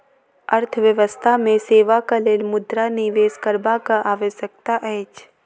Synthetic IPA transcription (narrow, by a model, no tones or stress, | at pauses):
əɾt̪ʰəʋjəʋəst̪ʰamẽseːʋakaleːlmʊd̪ɾaniʋeːskəɾbakaʔaːʋəʃək̚t̪aʔɛːt͡ʃ